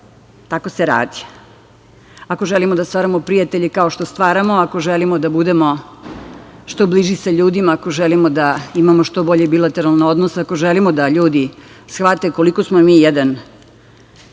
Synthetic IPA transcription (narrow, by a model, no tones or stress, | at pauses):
t̪ako̞seɾa̰ːd̪i̥ | akoʒelimod̪ast̪ʋaːɾamopɾijat̪eʎekao̞ʃt̪ost̪ʋaːɾamoakoʒelimod̪abud̪emo̞ | ʃt̪o̞bliʒisaʎuːd̪imaːko̞ʒelimod̪aimamoʃt̪o̞bo̞ʎebilˠat̪e̞ɾalˠno̞d̪nosako̞ʒelimod̪aʎuːd̪i | sxʋat̪e̞ko̞likosmomiːjed̪an